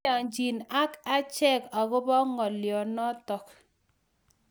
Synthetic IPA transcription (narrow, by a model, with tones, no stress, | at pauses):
a˨ɲd͡ʒi˨na˦ka˦t͡ʃɛ˦ka˨kʊ˦bɔ˦ŋɔ˨ljɔ˨nɔ˦tɔ˨k